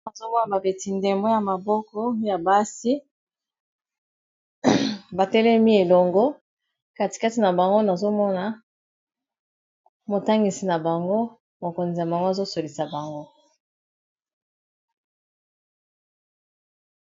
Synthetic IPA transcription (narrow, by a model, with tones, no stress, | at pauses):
ba˨zo˦bo˦a˦˨ba˨be˨ti˨nde˨mbo˦ja˨ma˨bɔ˦kɔ˦ja˨ba˦si˦ | ba˨tɛ˦lɛ˦mi˦e˨lɔ˨ŋɡo˦ | ka˦ti̥˨ka˦ti˨na˨ba˨ŋɡo˦na˨zo˦mɔ˦na˨ | mo˨ta˦ŋɡi˨si˨na˨ba˨ŋɡo˦ | mo˨ko˨nzi˨ja˨ba˨ŋɡo˦a˦˨zo˦so˨li˨sa˨ba˨ŋɡo˦